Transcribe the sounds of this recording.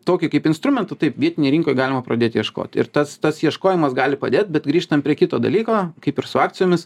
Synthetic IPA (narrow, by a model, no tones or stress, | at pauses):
t̪oːkʲɪkɐɪpɪnst̪ɾʊmʲɛnt̪ʊt̪ɐɪpʋʲiɛt̪ʲɪnʲɛjɪɾʲɪːŋkoːjɡɑːlʲɪmɐpɾɐd̪ʲeːt̪ʲjiɛʃko̰ːt̪ʲɪ̰ɾt̪ɐst̪ɐsjiɛʃkoːjɪmɐsɡɑːlʲɪpɐd̪ʲeːt̪̚bʲɛt̪ɡɾʲiːʃt̪ɐmpʲɾʲiɛkʲɪt̪oːd̪ɐ̰lʲiːkoːkɐɪpɪɾsʊɑːk̚t͡ssʲɪjoːmʲɪs